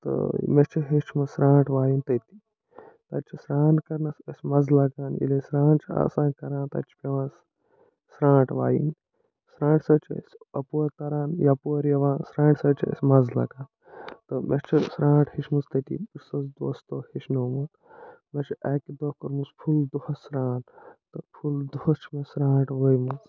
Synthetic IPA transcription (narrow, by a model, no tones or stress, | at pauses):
t̪ɐ̰met͡ʃʰiɦit͡ʃʰmɐsɾãːʈʋaːjint̪ɐt̪i | t̪ɐt͡ʃʰisɾaːnkɐɾnɐsɐsʲmɐzlɐɡaːnḭlesɾãːɳt͡ʃʰɐ̰sãːkɐɾãːnt̪ɐ̰t͡ʃʰi̥pʲɐʋãːs | sɾãːʈʋa̰ːjḭn | sɾãːɳʈsɐt͡ʃʰsɐpuɐɾt̪ɐɾaːnjɐpuɐɾjɐʋãːnsɾãːɳʈsɐt͡ʃʰɐ̰sʲmɐzlɐ̰ɡaːn | t̪ɐmʔet͡ʃʰisɾãːʈhiʃmust̪ɐt̪ḭpusɐsd̪ost̪oːhiʃnoːmɐ | met͡ʃʰekd̪ohkɐɾmuspʰuld̪uhɐsɾaːnt̪ɐpʰuld̪uɐst͡ʃʰmesɾãːʈʋɐjmuz